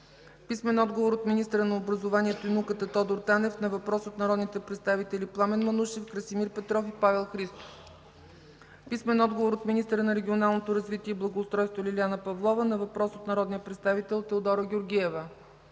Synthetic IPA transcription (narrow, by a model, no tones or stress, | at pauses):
pismɛnɔd̪ɡovoɾot̪minist̪əɾənɐobɾɐzovaniɛt̪oinukət̪ət̪ɔd̪oɾt̪anɛfnɐvɐpɾɔsot̪nɐɾɔd̪nit̪ɛpɾɛt̪st̪avit̪ɛliplˠamɛnmɐnuʃɛfkɾəsimiɾpɛt̪ɾɔfipavɛlˠxɾist̪o̥f | pismɛnɔd̪ɡovoɾot̪minist̪əɾənɐɾɛɡʲionalˠnot̪oɾɐzvit̪iɛiblˠɐɡoːst̪ɾɔjst̪volʲilianəpɐvlˠɔvənɐvɐpɾɔsot̪nɐɾɔd̪nijəpɾɛt̪st̪avit̪ɛlˠt̪ɛod̪ɔɾoɡʲoɾɡʲiɛvə